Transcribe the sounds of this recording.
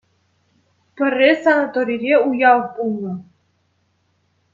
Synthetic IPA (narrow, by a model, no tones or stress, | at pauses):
pɘ̆rʲːesanat̪oɾʲiɾʲeujɑlˠbulˠnɤ̆